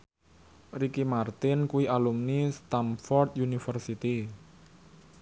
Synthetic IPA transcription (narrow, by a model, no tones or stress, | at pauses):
rikimart̪ɪnkuiʔalumnist̪amfɔrt̪junifərsit̪i